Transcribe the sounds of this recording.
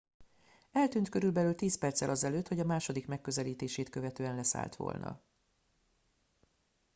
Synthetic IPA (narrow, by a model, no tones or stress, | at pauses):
ɛlt̪yːnt̪kø̞ɾylbɛlyːlt̪iːspɛrt̪sɛlʔɒzɛløːt̪ho̞ɟɒmaːʃo̞d̪ikmɛkːø̞zɛliːt̪eːʃeːt̪kø̞vɛt̪øːɛnlɛsa̰ːlt̪ʋo̰lnʔɒ̰